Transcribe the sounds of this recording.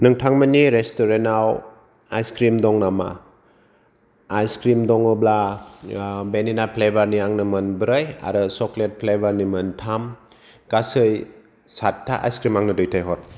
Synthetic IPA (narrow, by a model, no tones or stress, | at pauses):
nɯŋtʰaŋmaniɾestɔɾenaw | ajskɾimdɔŋnama̰ | jskɾimdɔŋɯbla | beninapʰlebaɾniaŋnɯmɯnbɯɾɯja̰ɾɯsɔklet̚pʰlebaɾnimɯntʰam | ɡasɯj | satʰːa̰ʔa̰jskɾimaŋnɯdɯjtʰajɦɔt̚